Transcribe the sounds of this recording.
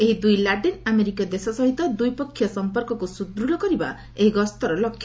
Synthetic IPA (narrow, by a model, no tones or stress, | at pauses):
eɦid̪ujlaʈinameɾikjɔd̪esɔsɔɦit̪ɔd̪ujpɔkʰːjɔsɔmpɔɾkɔkusud̪ɾulɔkɔɾiba | eɦiɡɔst̪ɔɾɔlɔkʰːjɔ